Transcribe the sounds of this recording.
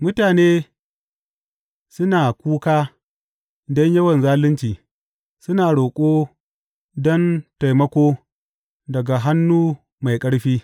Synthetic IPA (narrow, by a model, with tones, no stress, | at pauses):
mʊ˦taː˨neː˦ | sʊ˦naː˨kʷuː˦kaː˦ | dɔ˦ɲjɐ˦wɐ˨nzaː˦lɪ˦nt͡ʃiː˨ | sʊ˦naː˨ɽoː˨kʷʼoː˦ | dɔ˦nta˨jmɐ˦kʷoː˦ | dɐ˨ɡa˨ɦa˦nːuː˦ | ma˨jkʼɐ˦ɽɸiː˦